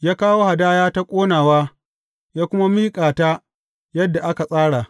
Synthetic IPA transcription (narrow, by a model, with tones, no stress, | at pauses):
jaː˦kaː˦woː˦ha˨daː˦jaː˦ta˦kʷʼoː˦naː˨waː˦ | jaː˦kʷʊ˦ma˦miː˦kʼaː˨taː˦ | jɐ˦dːa˨ʔa˦ka˨sʼaː˦ɽa˨